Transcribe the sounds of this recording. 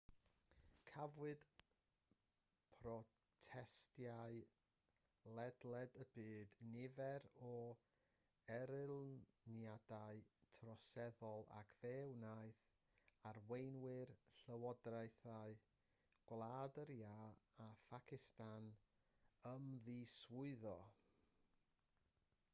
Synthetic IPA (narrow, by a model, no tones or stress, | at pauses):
kʰavwɨd̥ | pʰrɔ | tʰɛstjaɨ | lˠɛdlˠɛdəbɨːdnɪvɛɾɔ | ɛɾɪlˠnjadaɨtʰrɔsɛðɔlˠa̰kʰv̥ɛwnajθ | arwejnwɪrɬəwɔdrajθaɨ | ɡ̥wlˠadəɾjaːfakʰɪstan | əmðiswʊɨðɔ